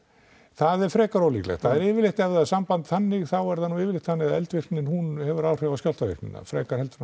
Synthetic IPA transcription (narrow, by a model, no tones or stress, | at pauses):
θaðɛɾ̥fɾɛːkaɾowlḭːklɛ̰xt̪θaðɛɾɪːvɪɾlɪht̪ɛvðaðsampant̪θanːɪɣθawɛɾðanuɪːvɪlɪht̪θanːɪɣaðɛlt̪vɪr̥k̪nɪnhunhɛvʏɾaːwr̥œɣaskjal̥t̪avɪ̰rk̪nɪ̰na̰fɾɛːkaɾ̥hɛlt̪ɾ